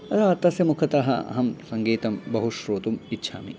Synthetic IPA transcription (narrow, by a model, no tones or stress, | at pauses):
ɐɾaːt̪ɐsjɐmukʰɐt̪ɐɦɐ̰ɦɐmsɐŋɡiːt̪ɐmbɐɦuʃɾoːt̪umitːʃʰa̰ːmḭ